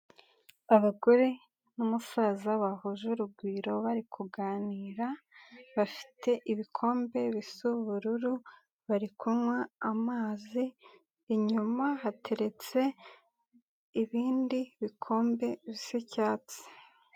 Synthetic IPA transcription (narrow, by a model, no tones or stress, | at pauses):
aβaɡo̞ɾe | numusazaβahoʒuɾuɡwiːɾo̞βaɾikʰuɡaːniːɾaβafi̥tʰe̞ʔiβikʰo̞ːmbe̞βisuβuɾuɾu | βaɾikʰumŋwaːmaːziː | ɲumaɦatʰe̞ɾe̞t͡se̞ | iβiːndiβikʰo̞ːmbe̞βisecaːt͡se̥